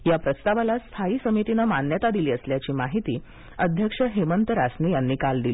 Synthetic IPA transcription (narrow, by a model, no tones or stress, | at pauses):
japɾəst̪aʋalast̪ʰaiːsəmit̪inəmanjət̪ad̪iliːəsljat͡ɕiːmaɦit̪iː | əd̪ʱjəkʂəɦemənt̪əɾasniːjanːiːkald̪ili